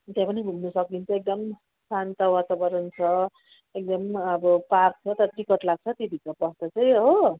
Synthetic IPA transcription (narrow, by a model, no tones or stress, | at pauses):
t̪ãpʌnibʱumnʌsʌk̚d̪int͡sʰʌek̚d̪ʌm | sant̪ʌwat̪abʌɾʌnt͡sʰʌ | ek̚d̪ʌmʌbʌpark̚t͡sʰʌt̪ʌɾʌʈ̪ikʌʈ̪laɡ̚t͡sʰʌt̪id̪ʱikʌpʌst̪ʌt͡sʌj̃ɦo